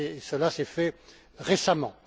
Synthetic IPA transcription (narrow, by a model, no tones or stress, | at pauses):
eːsəlasɛfɛ | ʁesamɑ̃